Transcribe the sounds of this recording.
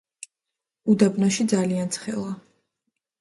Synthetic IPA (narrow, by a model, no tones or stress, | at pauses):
ud̪abnaʃid̪zaliant̪sʰχɛ̰lˠa